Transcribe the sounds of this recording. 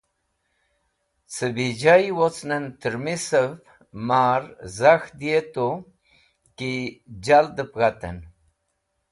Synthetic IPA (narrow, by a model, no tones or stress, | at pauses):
t͡səbid͡ʒajwot͡snənt̪əɾmisəv | maɾzaxd̪iet̪o | kid͡ʑald̪əpɣat̪ə̰n